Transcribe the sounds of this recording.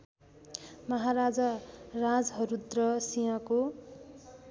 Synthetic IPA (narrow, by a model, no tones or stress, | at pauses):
mʌɦaɾad͡zʌrad͡zɦʌɾud̪rʌsijʌ̃ko